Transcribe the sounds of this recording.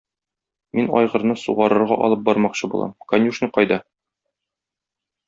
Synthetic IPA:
minɒ̰jʁɤ̆ɾnɤsṵʁɑɾɤ̆ɾʁɑ̰ʔɒ̰lˠɤp̚bɒɾmɑqɕɤbṵlˠɑ̰mkonʲuʂnɤqɒjd̪ɑ

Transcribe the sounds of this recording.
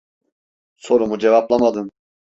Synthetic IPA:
so̞ɾumud͡ʒe̞vaplˠamad̪ɯm

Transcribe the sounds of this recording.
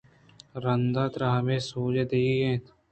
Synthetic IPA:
ɾənd̪aːt̪ɾaːɦmeːsuːd͡ʒed̪iɡẽːt̪

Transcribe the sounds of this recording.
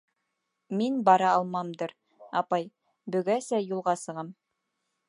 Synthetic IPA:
minbɑɾɑɑlˠmɑmd̪ɤɾ | ɑpɑj | bɵ̆ɡæsæjulˠʁɑsɤ̆ʁɤm

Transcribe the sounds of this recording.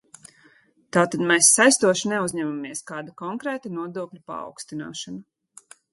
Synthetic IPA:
t̪aːt̪ad̪mɛsːajst̪uɔʃinɛuzɲɛmamiɛskaːd̪akɔŋkɾɛːt̪anuɔd̪uɔklʲupa̰ːwkst̪ina̰ːʃana

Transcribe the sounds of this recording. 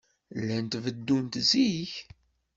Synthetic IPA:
lːænt̪vəd̪ːunt̪ziç

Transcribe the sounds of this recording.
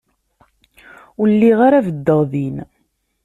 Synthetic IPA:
əlːiʁaɾavəd̪ːəʁðin

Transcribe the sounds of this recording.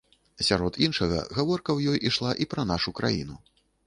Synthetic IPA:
sʲaɾɔt̪inʂɐɣɐ̰ɣavɔrkɐwjɔjʔiʂlˠaʔipɾɐnaʂukɾa̰jḭnu

